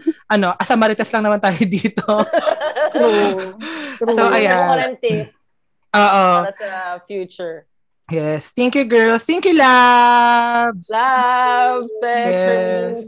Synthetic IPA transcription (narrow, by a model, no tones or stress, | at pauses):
ʔɐno̞ʔɐsɐmɐɾɪt̪ɛslɐŋnɐmant̪aːjod̪iːt̪o | soʔɐjannt̪ | ʔoːʔo | fjut͡ʃʊɹ | jɛst̪ɛŋkjuɡɛlst̪ɛŋkjula | bla | pjɛs